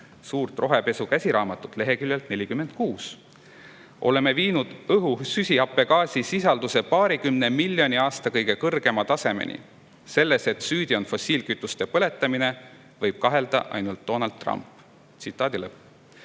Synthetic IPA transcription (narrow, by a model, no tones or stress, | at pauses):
suːrt̪ˑro̞ɦe̞pe̞sukæsʲiɾɑːmɑt̪ːˑut̪ˑle̞ɦe̞kylʲjelt̪ne̞lʲikymːe̞nd̪̥̚kuːs | ʔo̞̰le̞me̞viːnud̪̥ɤɦusysʲiɑpːˑe̞kɑːsʲisisɑld̪̥use̞pɑːɾikymne̞milʲːo̞niɑːst̪ɑkɤjɡe̞kɤrɡ̥e̞mɑt̪ɑse̞mḛnʔḭ | se̞lːese̞t̪syːd̪io̞nfosʲiːlkyt̪ːˑust̪e̞pɤle̞t̪ːˑɑmine̞ | vɤjb̥̚kɑɦe̞ld̪̥ɑ̰ʔɑ̰jnult̪̚d̪̥o̞nɑld̪̚rɑ̰mpːˑ | t̪sit̪ːˑɑːd̪̥ile